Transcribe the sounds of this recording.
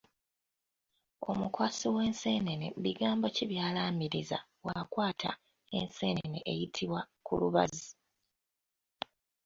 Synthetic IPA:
o̞̰mukwasiwe̞ːnse̞ːnenḛβiɡaːmbo̞ciβjaːlaːmiɾiza̰ | wakwaːtʰa̰ | e̞̰nse̞ːneneʔejitʰiβwa | kṵluβa̰zi

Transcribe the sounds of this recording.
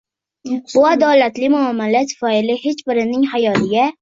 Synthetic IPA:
bʊad̪ɒlat̪lɪmʊamːalat̪ʰfɒɪlɪhe̞t͡ʃbɪɾɪnɪŋhajɒlɪɡʲa

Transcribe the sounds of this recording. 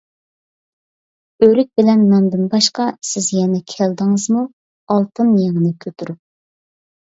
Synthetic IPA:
øɾyk̚ʲbɪlɛnːɑmd̪ɨnbɑʃqɑsɪzjɛnɛkʲʰæld̪ɨŋəzmu | ɑlˠt̪ʰɨnjeŋənɨkʲʰøt̪ʰuɾup̚

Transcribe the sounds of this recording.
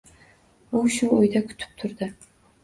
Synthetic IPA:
uʃuʊjd̪akʲʰʊ̥t̪ʰɪ̥p̚t̪ʰʊɾd̪ɪ

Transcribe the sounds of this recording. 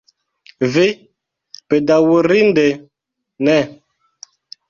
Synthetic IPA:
ve | pɛdawoɾindɛ | nɛ

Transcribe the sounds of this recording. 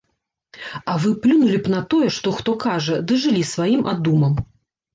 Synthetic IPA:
ɐvɨplʲunulʲipnɐt̪ɔjɛʂt̪ɔxt̪ɔkaʐɐd̪ɨʐɨlʲisvajimʔad̪umɐm

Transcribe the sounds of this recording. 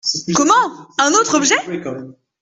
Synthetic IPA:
kɔmɑ̃ɛ̃not̪χɔbʒɛk

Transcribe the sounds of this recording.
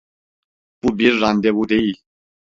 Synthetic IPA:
pubiɾːand̪ɛwud̪ɛi

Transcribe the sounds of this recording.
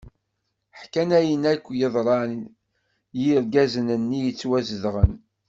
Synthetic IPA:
ħkænæjənækʷːjəðˤɾˤɑ | jiɾɡæzənənːijət͡sːwæzəðʁən

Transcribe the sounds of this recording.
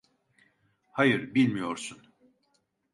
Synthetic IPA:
hajɯɾbilʲmijo̞ɾsun

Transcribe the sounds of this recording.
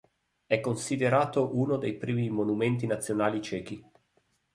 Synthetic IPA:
ɛkːonsid̪eɾaːt̪oʔunod̪ejpɾiːmimonument̪̬inat̪sːjonaːlit͡ʃɛːk̟i

